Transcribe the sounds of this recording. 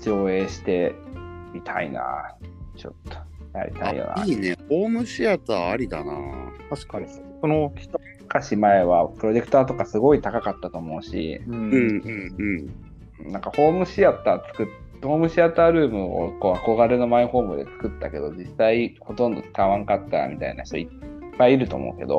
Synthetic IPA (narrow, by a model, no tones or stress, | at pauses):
d͡ʑo̞ːe̞ːɕi̥t̪e̞mʲit̪ʰa̰ḭna̰t͡ɕo̰t̪ːo̥ja̰ɾʲḭt̪a̰ḭjo̰ːnaiːneho̞ːmɯ̟ɕiat̪aːaɾʲid̪ana̰aɕkai | ono̥ | kaɕimae̞βapɯ̟ɾo̞ʑe̞kɯ̥t̪aːt̪o̞kasɨɡo̞it̪akakat̪ːat̪o̞ːmo̞ɯ̟ɕḭɯ̃ɯ̃ɴɯ̃ɴ | nãŋkaho̞ːmɯ̟ɕiat̪aːt͡sɨ̥kɯ̟t̪ | hoːmɯ̟ɕiat̪aːɾɯ̟ːmɯ̟o̰ko̞ːako̞ɡaɾɯ̟no̞maiho̞ːmɯ̟d̪e̞̰t͡sɨ̥kɯ̟t̪ːa̰ke̞d̪o̞d͡ʑisaiho̞t̪õ̞nd̪o̞̰ti̥kaβãŋkat̪ːa̰mʲit̪a̰ina̰çi̥t̪o̞i | pːaiːɾɯ̟t̪o̞̰ːmo̰ɯ̟ke̞d̪o̰